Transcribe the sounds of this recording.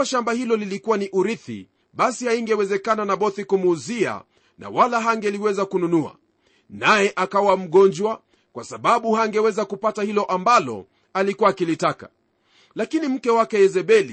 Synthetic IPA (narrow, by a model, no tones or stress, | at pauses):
aʃambahilɔlilikuwaniʔuɾiθḭ | ɓasihaiŋɡɛwɛzɛkananaɓɔθikumːzia̰ | na̰walaɦaŋɡɛliwɛzakununua̰ | najɛʔakawam̩ɠɔnd͡ʒwa | kwasaɓaɓuhaŋɡɛwɛzakupatahilɔʔambalɔ̰ | alikuwakilitaka̰ | lakinim̩kɛwakɛjɛzɛɓɛli